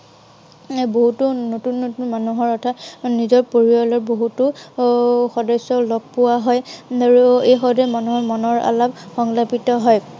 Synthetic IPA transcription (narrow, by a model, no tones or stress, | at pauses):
boɦutʊnotunːounmanuɦɔɹɔtʰanizɔɹpoɹiɔlɔɹboɦutʊ | xɔdɔsɔlɔɡ̚pʊwaɦɔjaɹuejxɔdɛmanuɦɔmɔnɔɹa̰labxɔŋlapitɔɦɔj